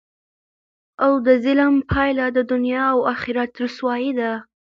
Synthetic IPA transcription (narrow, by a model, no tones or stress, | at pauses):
awd̪əzɪləmpʰɑjlad̪əd̪ʊnjɑːwaxɪɾat̪ɾuswɑjid̪a